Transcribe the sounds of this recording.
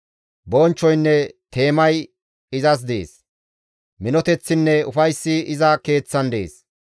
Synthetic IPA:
bɔːnt͡ʃːɔjnːɛt̪e̞ːmɐj | ɪzɐs̬d̪ḛːs | mɪnɔt̪ɛt͡sːɪnːɛʊfɐjsːɪɪzɐke̞ːt͡sːɐnd̪eḛːs

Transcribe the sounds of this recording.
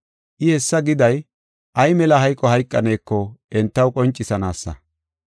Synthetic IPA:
ʔɪhɛsːɐɡɪd̪ɐj | ʔɐjmɛlɐɦɐjkʼːɔɦɐjkʼːɐne̞ːkːɔʔɛnt̪ːɐwkʼɔnt͡ʃʼːɪsɐnaːsːɐ̰

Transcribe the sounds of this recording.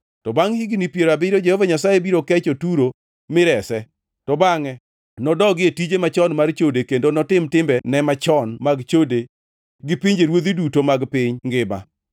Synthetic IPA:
tɔbaŋhiɡnipjeɾabɪɾod͡ʒehovaɲasajebiɾokɛt͡ʃotuɾo | mɪɾɛsɛ | tɔbaŋɛ | nɔdɔɡɪetid͡ʒemat͡ʃɔnmart͡ʃodekendonɔtɪmtɪmbɛnɛmat͡ʃɔnmaɡt͡ʃode | ɡɪpɪɲd͡ʒeɾwod̪idutomaɡpɪɲŋɡɪma̰

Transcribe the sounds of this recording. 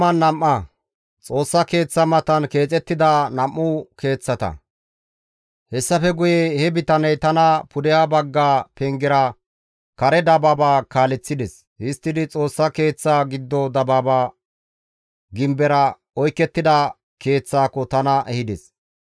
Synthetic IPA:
ɐnːɐmːɐ | t͡sʼo̞ːsːɐke̞ːt͡sːɐmɐt̪ɐnke̞ːt͡sʼɛt̪ːɪd̪ɐnɐmʔːʊke̞ːt͡sːɐt̪ɐ̰ | hɛsːɐfɛɡʊjehɛbɪt̪ɐnɛjt̪ɐnɐpʊd̪ɛjaːbɐɡːaːpɛŋɡɛɾɐ | kɐɾɛd̪ɐbabaːkaːlɛt͡sːɪd̪ɛs | hɪst̪ːɪd̪ɪt͡sʼo̞ːsːɐke̞ːt͡sːaːɡɪd̪ːɔd̪ɐbaːbaː | ɡɪmbɛɾɐ | ɔjkːɛt̪ːɪd̪ɐ | ke̞ːt͡sːaːkɔt̪ɐnɐʔɛhɪd̪ɛs

